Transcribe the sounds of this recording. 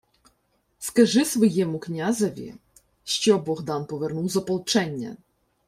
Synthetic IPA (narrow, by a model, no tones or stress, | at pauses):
skɐʒɪsʋɔjɛmʊknʲazɐʋʲḭ | ʃt͡ʃɔbɔɣd̪ɑnpɔʋernuwzɔpɔlˠt͡ʃɛnʲːɐ̰